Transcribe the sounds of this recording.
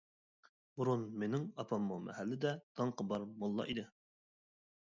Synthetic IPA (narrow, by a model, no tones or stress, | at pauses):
buɾunmenɪŋɑpʰɑmːomʔɛ̰hælːɪd̪ɛd̪̥ɑɴqʰɑbɑɾmolˠːɑ̰ʔid̪ɪ